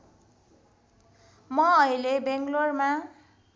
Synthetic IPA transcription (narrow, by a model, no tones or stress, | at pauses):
mʌʌilebeŋɡlorma